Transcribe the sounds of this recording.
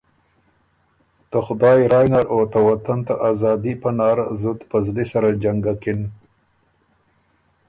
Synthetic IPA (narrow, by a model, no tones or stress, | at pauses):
t̪əxʊd̪ɑːjɾɑːjnaɾot̪awat̪ant̪aʔazɑːd̪ipanɑːɾzʊt̪pəzlisaɾad͡ʒaŋɡakɪn